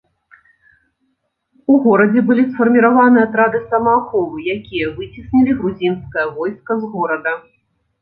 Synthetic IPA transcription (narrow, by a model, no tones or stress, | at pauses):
uɣɔɾɐd͡zʲɛbɨlʲisfɐrmʲiɾavanɨjat̪ɾad̪ɨsɐmɐxɔvɨjakʲijɐvɨt͡sʲisnʲilʲiɣɾuzʲinskɐjɐvɔjskɐzɣɔɾɐd̪ɐ